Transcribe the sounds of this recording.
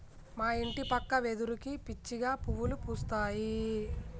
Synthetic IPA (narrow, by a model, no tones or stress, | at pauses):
maːiɳʈipɐkːɐʋed̪uɾukipit͡ʃːiɡaːpuʋːulupuːst̪aːji